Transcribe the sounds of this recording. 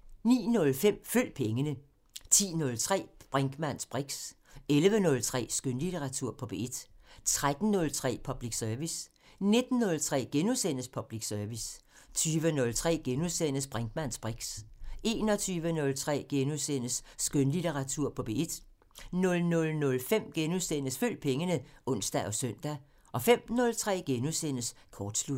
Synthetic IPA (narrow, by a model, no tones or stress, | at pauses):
nḭːnɔ̽lfem̰føl̰d̥̚pʰeŋənə | t͡sʰḭːnɔ̽lt͡sʰʁɛ̰ːb̥ʁaŋɡ̥mænsb̥ʁiɡ̥s | elʋənɔ̽lt͡sʰʁɛ̰ːsɡ̥ønlit͡seʁɑ̈t͡sʰuɐ̰pʰɒ̽b̥e̝d̥t͡sʰʁad̥n̩ːɔ̽lt͡sʰʁɛ̰ːpʰɒ̽b̥liɡ̥sœɐʋis | ne̝d̥n̩ːɔ̽lt͡sʰʁɛ̰ːɡ̥enusen̰əspʰɒ̽b̥liɡ̥sɶɐʋis | t͡sʰyːʋənɔ̽lt͡sʰʁɛ̰ːɡ̥enuðˠsen̰əsb̥ʁaŋd̥mæn̰sb̥ʁiɡ̥sʔe̝ːnɒ̽t͡sʰyːʋənɔ̽lt͡sʰʁɛ̰ːɡ̥enusen̰əsːɡ̥ønlit͡seʁɑ̈t͡sʰuɐ̰pʰɒ̽b̥e̝e̝d̥ | nɔ̽lnɔ̽lnɔ̽lfem̰ɡ̥enusen̰əsføl̰d̥̚pʰeŋənəʔɔ̽n̰sd̥æʔɒ̽sœn̰d̥æ | ʔɒ̽fem̰nɔ̽lt͡sʰʁɛ̰ːɡ̥enusen̰əskʰɒːd̥slud̥